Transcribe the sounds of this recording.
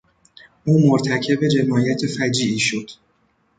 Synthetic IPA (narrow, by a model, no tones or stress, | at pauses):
ʔuːmoɾt̪ʰæcʰe̞be̞d͡ʒe̞mɒːjæt̪ʰe̞fæd͡ʒiːʔiːʃo̞d̪̥